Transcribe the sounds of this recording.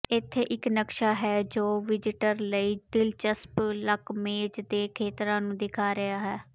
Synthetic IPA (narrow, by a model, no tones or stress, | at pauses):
ɪt̪ʰːeːʔɪknəkʃaːɦɛːd͡ʒoːʋɪd͡ʒɪʈəɾləiːd̪ɪlt͡ʃəspləkmeːd͡ʒd̪eːkʰeːt̪ɾãːnũːd̪ɪkʰaːɾɪaːɦɛː